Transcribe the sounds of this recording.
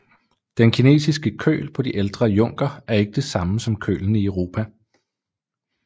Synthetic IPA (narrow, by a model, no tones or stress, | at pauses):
d̥enkʰine̝̰ːsisɡ̥əkʰø̰ːlpʰɒ̽d̥iʔeld̥ʁɐjɔ̽ŋ̰ɡ̥ɐæɐe̝ɡ̥əd̥e̝sɑ̈məsɒ̽mkʰø̰ːln̩iœʊʁo̝ːpʰæ